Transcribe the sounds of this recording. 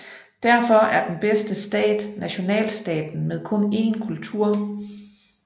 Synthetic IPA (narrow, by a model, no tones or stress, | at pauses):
d̥æɐfɒ̽æɐd̥enb̥esd̥əsd̥ɛ̰ːd̥næɕo̝nɛ̰ːlsd̥ɛ̰ːd̥n̩meðˠkʰɔ̽ne̝̰ːnkʰult͡sʰuɐ̰